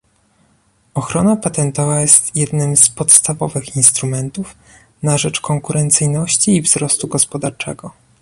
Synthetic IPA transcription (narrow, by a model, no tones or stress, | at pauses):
ɔxɾɔnapat̪ɛnt̪ɔvajɛst̪jɛd̪nɘmspɔt̪st̪avɔvɘxinst̪ɾumɛnt̪uf | naʐɛt͡ʂkɔŋkuɾʔɛnt̪sɘjnɔɕt͡ɕiːvzɾɔst̪uɡɔspɔd̪aɾt͡ʂɛ̰ɡɔ